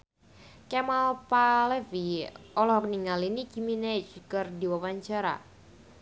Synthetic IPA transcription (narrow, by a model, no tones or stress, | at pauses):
kɛmalpalɛfiɔlɔhkniŋalinikiminɛt͡ʃkərdiwawaɲt͡ʃaɾa̰